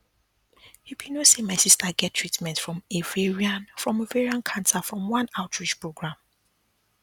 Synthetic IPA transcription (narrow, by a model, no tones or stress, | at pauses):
jukʰenosemaɪsistʰaɡɛtʰːɹitmɛ̃ntfɹɔ̃meveɹianfɹɔ̃moveɹiãnkʰãntʰafɹɔ̃mwãnaʊtʰɹit͡ʃpɹoɡɹãm